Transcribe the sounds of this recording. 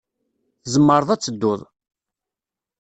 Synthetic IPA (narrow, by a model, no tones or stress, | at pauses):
θəzəmːəɾˤəðˤæt͡sːəd̪ːʊðˤ